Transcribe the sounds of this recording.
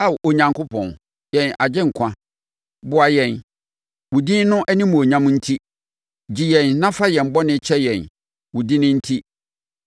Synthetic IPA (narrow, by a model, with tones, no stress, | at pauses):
a˦˨wʔo˨ɲã˨ŋkʰʊ˦pʰɔ̰̃˨n | jɛ̃˨na˨d͡ʑɪ̃˦ŋ̩˨kʷʰã˦ | bʊ˦a˨jɛ̃˨n | wu˨dĩ˦n˦nʊ̃˦ʔɛ˦nĩ˦mʊ̃˨o˨ɲã˦m̃˦n̩˦tʰi˦ | d͡ʑi˨jɛ̃˨nːã˦fa˦jɛ̃˨m̩˨bɔ˦nɪ̃˦t͡ɕʰɛ˦jɛ̃˨n | wʊ˨di˦nɪ̃˦n̩˦tʰi˦